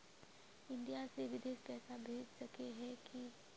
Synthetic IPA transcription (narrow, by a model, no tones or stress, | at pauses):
ɪ̃nɖijaseʋɪd̪eːʃpɛːsabʱeːd͡ʒsɐkeɦɛki